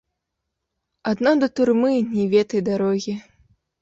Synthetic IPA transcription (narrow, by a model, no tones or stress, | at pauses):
ad̪nɔd̪ɐt̪urmɨnʲɛvʲɛt̪ɐjd̪aɾɔɣʲi